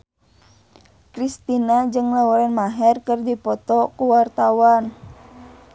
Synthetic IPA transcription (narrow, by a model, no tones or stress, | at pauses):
kɾist̪inad͡ʒɨŋlawuɾanmaɦɛrkərdipɔt̪ɔkuwart̪awan